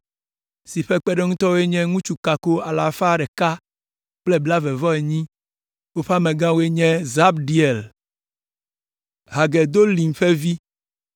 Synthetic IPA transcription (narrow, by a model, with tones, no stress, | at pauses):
si˨ɸɛ˦k͡pɛ˦ɖe˦ŋũ˦t̪ɔ˦wo˦e˦ɲɛ̃˦ŋũ˦t͡ʃu˦ka˨ko˦a˨la˨fa˦ɖɛ˨ka˦ | k͡ple˦bla˦vɛ˨vɔ˦e˨ɲĩ˦ | wo˦ɸa˦mẽ˨ɡã˦wo˦e˦ɲɛ̃˦za˦bɖi˦e˨l | ɦa˨ɡe˨d̪o˦li˨ŋ̩˨ɸe˦vi˦